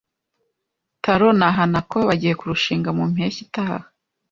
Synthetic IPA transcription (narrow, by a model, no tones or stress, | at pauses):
taɾonaɦanakoβaɟije̞kuɾuʃiːŋɡamum̥eçitaa̰ha